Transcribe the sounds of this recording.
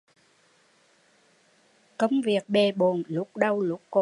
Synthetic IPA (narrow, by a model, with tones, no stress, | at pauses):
kə˧wŋ͡mvi˨˩ək̚ɓe˨˩ɓo˨˩nlʊ˦˥k͡p̚ɗə˧wlʊ˦˥k͡pːo˧˨